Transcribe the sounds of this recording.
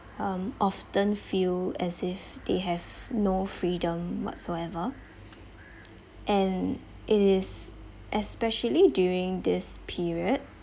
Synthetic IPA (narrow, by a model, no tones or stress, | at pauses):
ʌ̃mʔɔftə̃nfilɛsɪfd̪̥eɦɛvnofɹidə̃mwɔ̰tsoɛvə | ʔɛ̃n | ʔɪtɪz | ʔɛspɛʃəlidjuɹɪ̃ŋdɪspʰiɹiəd̚